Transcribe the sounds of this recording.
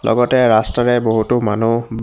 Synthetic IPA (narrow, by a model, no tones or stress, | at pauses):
lʔɔ̰ɡɔtɛɹastaɹɛboɦutʊmanu